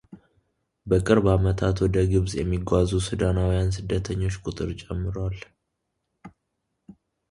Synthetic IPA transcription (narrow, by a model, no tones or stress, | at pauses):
bəkʼɨɾbamət̪ʰat̪wɔd̪əɡɨβzjɛmːiɡʷazusɨd̪anawjansɨd̪ːət̪ʰəɲːo̞t͡ʃːkʼʊt̪ʼɨɾt͡ʃʼɛmːɨɾal